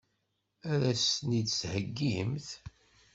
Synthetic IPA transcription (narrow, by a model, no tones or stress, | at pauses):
æðæsnid̪shəɡːimθ